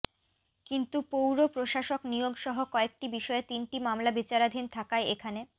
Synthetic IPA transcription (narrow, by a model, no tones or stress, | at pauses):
kint̪upowɾopɾoʃaʃoknijoɡʃɔɦokɔek̚ʈibiʃɔet̪inʈimamlabit͡ɕaɾad̪ʱint̪ʰakaeekʰane